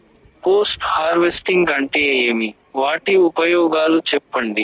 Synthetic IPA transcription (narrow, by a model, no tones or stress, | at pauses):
poːsʈhaːɾʋesʈiŋɡɐɳʈeːeːmi | ʋaːʈiupɐjɔːɡaːlut͡ʃɛpːɐɳɖi